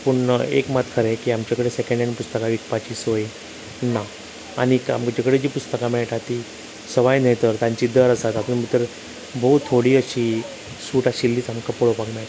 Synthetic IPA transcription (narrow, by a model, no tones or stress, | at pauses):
pəɳḛkmat̪kʰəɾekiːamt͡ɕakəɽesekə̃ɳɖjanipust̪əkaʋiʈpat͡ɕiːsoj | na | a̰nika̰mkt͡ɕakəɽed͡ʑiːpust̪əkamɛɭʈ̪at̪i | səʋajnejt̪əɾt̪ãɲt͡ɕid̪əɾəsat̪apəɳməɡt̪əɾ | bəɦut̪t̪ʰːoɽiːəɕi | suːʈaɕilːiːt͡samkəpoɭopakmeɭt̪